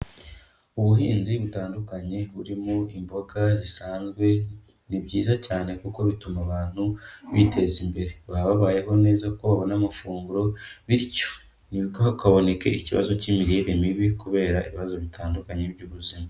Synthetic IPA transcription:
uβuɦḭːnziβutaːndukaɲe̞βuɾimoimbo̞ɡazisaːnzɡwe̞ | nibɟiːzacaːne̞kuko̞βitumaβaːn̥huβite̞zimbe̞ɾe̞βaβaβaːje̞ɦo̞ne̞ːzaukoβaβo̞namafuːŋɡuɾo̞βiɾico̥ | niβikohakaβo̞ne̞ke̞̰iciβa̰zo̞cimiɾeʔimiβikuβe̞ːɾaʔiβiβazo̞βitʰaːndukaɲe̞βɟuːβuzima

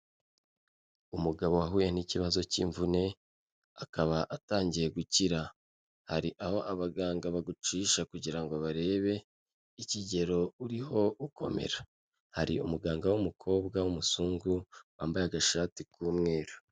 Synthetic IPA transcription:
umuɡaβo̞waɦuːjeniciβazo̞cḭːɱvune̞ | akaβaʔataːɲɟije̞ɡuciɾa | haɾiʔaho̞ʔaβaɡaːŋɡaβaɡut͡ʃiːʃakuɟiɾaŋɡoβaɾe̞ːβe̞ | iciɟe̞ɾo̞uɾiɦo̞ʔukʰo̞̰mḛɾa | haɾiumuɡaːŋɡawumukʰo̞ːbɡawumusuːŋɡuwaːmbajaɡaʃaːtikuːmŋe̞ːɾo

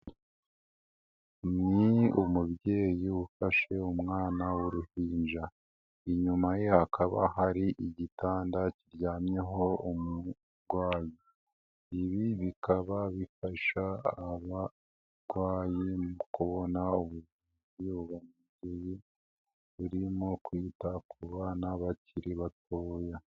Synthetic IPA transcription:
niumubje̞ːjiufaʃe̞umŋaːnawuɾuhiːnd͡ʒa | iɲumaje̞hakʰaβa̰haɾiʔiɟitaːndaciɾjaːmje̞ɦo̞umu | ɾɡwaːji | iβiβikaβaβifaʃaːβa | ɾɡ̥waːjimukuβo̞nauβuzuːziuβamuɟeji | βuɾimo̞kwiːtakʰuβaːnaβaciɾiβat̚oːja

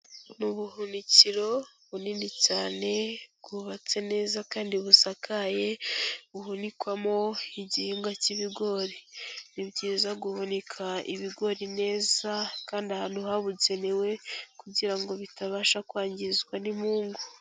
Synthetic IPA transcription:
nuβuɦuniciɾo̞ | βuninicaːne̞ɡuβat͡se̞ne̞ːzakaːndiβusakʰaje̞βuɦunikwamo̞iɟihiːŋɡaciβiɡo̞ɾinibɟiːzaɡuβonekʰaḭβiɡo̞ɾine̞ːzakaːndahaːnuhaβuze̞newe̞kuɟiɾaŋɡo̞βitaβaːʃakwaːɲɟizɡwanimuːŋɡu

